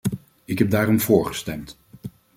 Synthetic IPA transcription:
ɪkɦɛb̚daːrɔmvʊːɹχə̥stɛmt

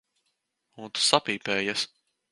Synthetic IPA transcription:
unt̪u̥sapiːpɛːjas

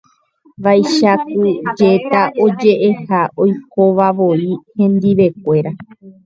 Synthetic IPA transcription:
ʋajʃakud͡ʒe̞t̪aʔo̞d͡ʒe̞ʔehao̞jko̞ʋaʋo̞ihẽ̞nd̪iʋe̞k̚ʷe̞ɾa

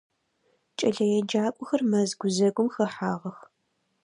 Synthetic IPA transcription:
t͡ʃʼɐɮɐjɛd͡ʒaːkʷʼʊxɐrmɐzɡʷʊzɐɡʷʊmxɐħaːʁɐx

